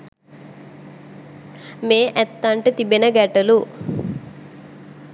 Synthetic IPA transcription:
meːʔɛt̪ːɐɳʈit̪ibinɐɡɛʈɐlu

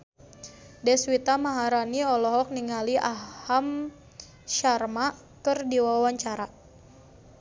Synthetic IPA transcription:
dɛswit̪amaɦaɾaniɔlɔɦɔk̚niŋaliʔaham | ʃarma | kɨrdiwawaɲt͡ʃaɾa

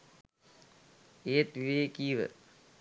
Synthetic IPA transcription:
eːt̪ʋiʋeːkiːʋə̰

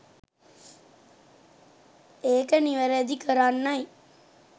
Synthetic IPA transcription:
eːkəniʋəɾed̪ikəɾanːɐj

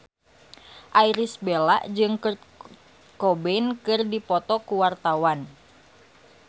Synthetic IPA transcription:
ʔaiɾisbelaʔd͡ʒɨŋkr | kɔbɛnkɨrdipɔt̪ɔkuwart̪awan

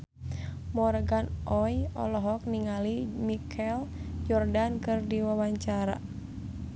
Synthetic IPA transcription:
mɔɾɡanʔɔjɔ̰lɔɦɔk̚niŋalimikʰɛljɔrdankɨrdiwawaɲt͡ʃaɾa̰

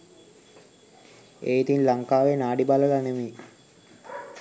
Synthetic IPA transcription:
eːit̪inlaŋkaːʋenaːɖibaləlaneme

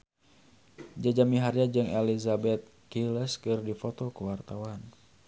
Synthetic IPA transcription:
d͡ʒad͡ʒamiɦaɾjad͡ʒɨŋelizabɛt̪̚ | kilɛskɨrdifɔt̪ɔkəwart̪awan

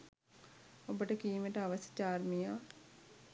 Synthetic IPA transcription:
obəʈəkiːməʈəaʋəsɐ̥t͡ʃaːɾmijaː

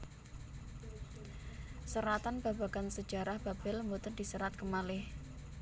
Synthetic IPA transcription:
səɾat̪anb̥aba̤ɡ̥ansə̥d͡ʒa̤ɾahb̥a̤b̥ɪləmbot̪ənd̥isəɾat̪̚kəmalɪh

